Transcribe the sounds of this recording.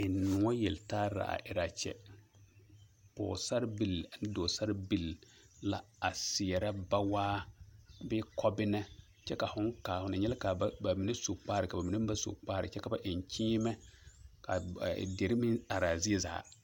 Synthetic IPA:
ɪ˨nʊ˨ŋɔ˦jɛ˨ltaː˦ɾa̰˨a̰˨ʔɪ˨ɾa˨t͡ʃɛ̰˦ | pɔ̰ː˨sa˦ɾbi˨la˨n˦doː˨sa˦ɾbi˨l | la˦ | a˨sɪ˨ɛ˨ɾa˦ba˦waː˦ | bɪ˦kʰɔ˦bɪ˦nɛ˦ | t͡ʃɛ˦ka˨fʊ˦ŋ˦kaː˨hʊ˨nɪ˨ɲɛ˦lka˨˦ba˨mi˨nɛ˦so˨k͡paː˦ɾɪ˨ka˨ba˨mi˨nɛ˦ba˦so̰˨k͡paː˦ɾɪ̰˨t͡ʃɛ˦ka˨ba˨ʔɪ˨ɲ˨t͡ʃʰiː˦mɛ˦ka̰˨de˨ɾɪ˦mɪ˦a˨ɾa˨zɪ˦ɛ˦za̰ː˨˦

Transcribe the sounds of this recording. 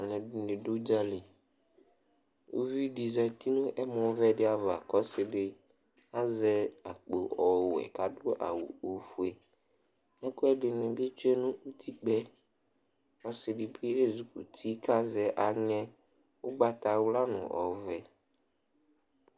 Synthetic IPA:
a˨nɛ̃˨dɪ˨nɪ̃˨do˦d͡ʒa˦li˨ | o̰˦vi˦ɖi˨zɛ˨t̪i˦nʊ̃˦ʔɛ˦mɔ̃˨˦vɛ˦dɪ˦a˨va̰˨kɔ˦sɪ˨dɪ˦a˦zɛ˦a˨k͡po˨ʔɔ˨wɛ̰˨ka˨dʊ˦ʔa̰˨wṵ˨o˨fu˨ɛ˨ | mʊ̃˦kʊ˦ɛ˦dɪ˨nɪ̃˨bɪ˦t͡ʃɛ˦nʊ̃˦u˦t̪ʰi˦k͡pɛ˦ | kɔ˦sɪ˨dɪ˨bɪ˦e˦zu˨kṵ˨t̪ʰi˦ka˦zɛ˨ʔa˨ɲɛ̃˦ʊ˦ɡ͡ba˨t̪a˨wʊ˦la˦nʊ̰̃˨ʔɔ̰˨vɛ˨

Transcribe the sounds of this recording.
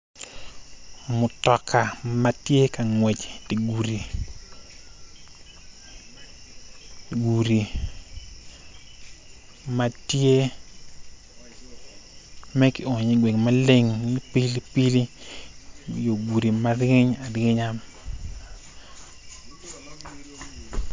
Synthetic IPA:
mʊ˨tɔ˨kʰa˨ma˦tje˦ka˨ŋwe˨t͡ʃti˨ɡu˨ɾi˨ | ɡu˨ɾi˨ | ma˦tje˦ | mɛ˦kɪ˨o˨ɲi˨ɡwe˨ŋma˦le˦ŋi˦pi˦li˦pi˦li˦ | jo˨ɡu˨ɾi˨ma˦rɪ˦ɲa˨ɾɪ˦ɲa˦m

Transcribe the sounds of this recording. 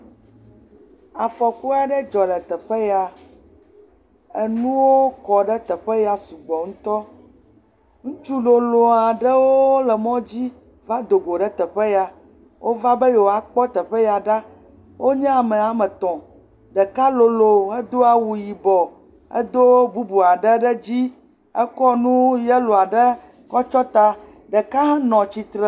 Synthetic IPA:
a˨fɔ˨ku˦a˨ɖɛ˦d͡ʒɔ˨lɛ˨t̪ɛ˨ɸɛ˦ja˨ | ɛ˨nũ˦wo˦kɔ˨ɖɛ˦t̪ɛ˨ɸɛ˦ja˨su˨ɡ͡bɔ˨ŋũ˦t̪ɔ˦ | ŋũ˦t͡ʃu˦lo˨lo˨a˨ɖɛ˦wo˦wo˦lɛ˨mɔ̃˦d͡ʑi˦ | va˦d̪o˨ɡo˨ɖɛ˦t̪ɛ˨ɸe˦ja˨ | wʔo˦va˦bə˦je˨wo˨a˨k͡pɔ˦t̪ə˨ɸə˦ja˨ɖa˦ | wʔo˦ɲɛ˦a˨mə̃˨a˨mə˨t̪ɔ̃˨ | ɖə˨ka˦lo˨lo˨ə˦d̪o˦a˨wu˨ji˨bɔ˨ | ə̰˦d̪o˦bu˦bu˨a˨ɖə˦ɖə˦d͡ʑi˦ | ə˦kɔ˦nũ˦jɛ˦lo˨a˨ɖə˦ | kɔ˦t͡ʃɔ˦t̪a˦ | ɖə˨ka˦ɦã˦nɔ̃˨t͡ɕi˨t̪ɾə˨

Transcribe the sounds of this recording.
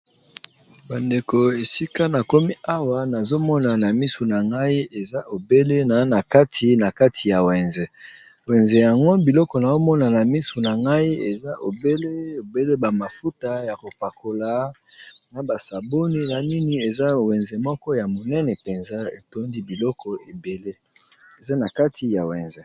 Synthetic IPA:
ba˨nde˨ko˨e˨si˦ka˦na˨ko˦mi˦a˦wa˦na˨zo˦mɔ˦na˨na˨mi˦so˨na˨ŋɡa˦i˦e˨za˦ʔo˨be˦le˦na˨˦na˨ka˦tʰi˨na˨ka˦tʰi˨ja˨wɛ˨nze˨ | wɛ˨nze˨ja˨ŋɡo˦bi˨lɔ˦kɔ˨na˨o˦mɔ˦na˨na˨mi˦so˨na˨ŋɡa˦i˦e˨za˦ʔo˨be˦le˦o˨be˦le˦ba˨ma˨fu˦ta˨ja˨ko˨pa˨ko˨la˨˦na˨ba˨sa˨bo˦ni˦na˨ni˦ni˦e˨za˦˨wɛ˨nze˨mɔ˦kɔ˦ja˨mo˨nɛ˦nɛ˨pe˨nza˦ḛ˨to˦ndi˦bi˨lɔ˦kɔ˨e˨be˨le˦ | e˨za˦na˨ka˦tʰi˨ja˨wɛ˨nze˨

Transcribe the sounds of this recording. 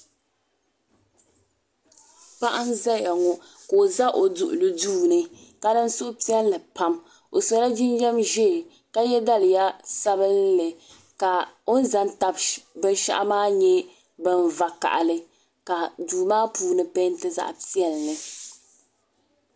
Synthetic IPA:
pa˦ʔa˦nza˦ja˨ŋɔ˨ | ko˨za˦ʔo˨dʊ̰˨ʔʊ̰˨lɨ˦duː˦˨nɨ˦ka˦dɨ˦n˦sʊ˦ʔʊ˦pi˦ɛ˦llɨ˨pa˦m | o˨sa˨la˦d͡ʒi˦n˦jɛ˦mʒɛː˦˨ | ka˦jɛ˦da˦lɨ˨ja˦sa˦bɨ˦lːɨ˨ | ka˨o˦n̩˦za˦nta˦bbɨ˦n˦ʃa̰˦ʔa̰˦maː˦ɲɛ˦ | bɨ˦nva˨ka̰˨ʔa˨lɨ˦ | ka˨duː˨maː˦pʰuː˦nɨ˨pe˦n˦tɨ˦za̰˦˨ʔpi˦ɛ˦lnɨ˨

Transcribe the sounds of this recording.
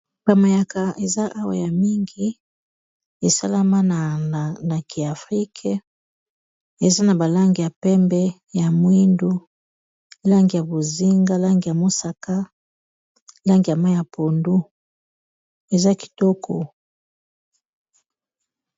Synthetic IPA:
b̥a˨ma˨ja˨ka˨e˨za˦ʔa˦wa̰˨ja˨mi˦ŋɡi˦ | e˨sa̰˦la˦ma˦n˨na˨ki˨a˨fʁi˦kʰe˦ | e˨za˦na˨ba˨la˦ŋɡi˨ja˨pɛ˦mbɛ˦ | ja˨mwi˦ndu˦ | la˦ŋɡi˨ja˨bo˨zi˦ŋɡa˦la˦ŋɡi˨ja˨mo˦sa˨ka˦ | la˦ŋɡi˨ja˨ma˦ja˨pʰo˨ndu˦ | e˨za˦ki̥˨to˦kʰo˨

